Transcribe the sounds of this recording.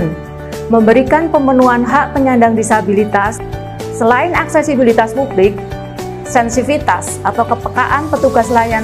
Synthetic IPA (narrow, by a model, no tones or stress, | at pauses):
n | məmbəɾikanpəmənuanɦaʔpəɲandaŋdisabilit̪asː | əlaɪnaksɛsibilit̪aspublɪk̚ | sɛnsifit̪asʔat̪awkəpəka̰ʔanpət̪uɡaslajan